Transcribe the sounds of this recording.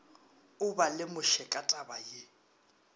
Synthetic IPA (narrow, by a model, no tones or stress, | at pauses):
ʊbalɪmʊʃɛkʼatʼabaje